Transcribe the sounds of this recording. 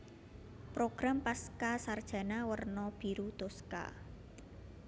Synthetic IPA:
pɾoɡ̥ɾampaskasard̥ʒ̥a̤nawərnɔb̥i̤ɾut̪oska̰

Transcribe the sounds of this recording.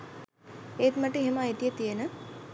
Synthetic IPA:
eːt̪maʈəeɦeməajt̪ijət̪ijənə

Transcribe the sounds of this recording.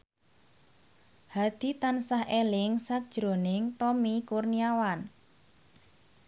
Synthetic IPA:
had̪̥i̤t̪ansahʔelɪŋsak̚d̥ʒ̥ɾo̤nɪŋt̪ɔmikurniawan

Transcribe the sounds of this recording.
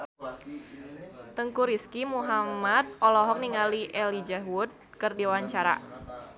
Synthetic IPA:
t̪əŋkuɾiskimuɦamat̪̚ɔlɔɦɔk̚niŋaliʔɛlid͡ʒaɦwʊt̪̚kərdiwaɲt͡ʃaɾa̰

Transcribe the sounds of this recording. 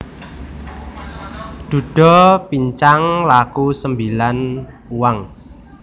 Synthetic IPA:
d̪̥ṳɖ̥ɔ̤piɲt͡ʃaŋlakusəmbilan | uwaŋ

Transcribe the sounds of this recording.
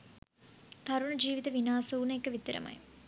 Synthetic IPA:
t̪ɐɾuɳɐd͡ʒiːʋit̪ɐʋinaːsuunɐekːəʋit̪ːiɾɐ̰mɐ̰j

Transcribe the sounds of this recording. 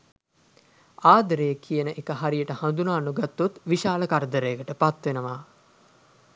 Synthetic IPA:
aːd̪əɾejəkijənəʔekəɦaɾijəʈəhand̪unaːnuɡat̪ːut̪ʋiʃaːləkaɾəd̪əɾejəkəʈəpat̪ʋenəʋaː

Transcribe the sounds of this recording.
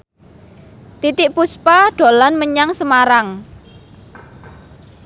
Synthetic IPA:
t̪it̪ɪʔpuspaɖ̥o̤lanməɲaŋsəmaɾaŋ

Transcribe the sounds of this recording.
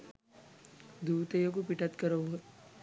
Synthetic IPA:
d̪ʱuːt̪ejokupiʈat̪kəɾəʋɦo

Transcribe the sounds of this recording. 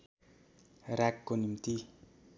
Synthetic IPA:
rakːonimt̪i

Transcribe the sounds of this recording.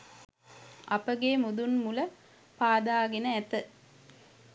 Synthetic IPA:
ɐpəɡeːmud̪unmulə | paːd̪aːɡenəæt̪ə

